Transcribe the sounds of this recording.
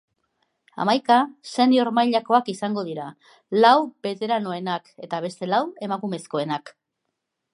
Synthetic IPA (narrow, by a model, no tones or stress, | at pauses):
a̰majkase̞nio̞ɾmajʎako̞akisaŋɡo̞ðiɾa | lawbe̞t̪e̞ɾano̞e̞nake̞t̪aβ̞e̞st̪e̞lawe̞makume̞sko̞e̞nak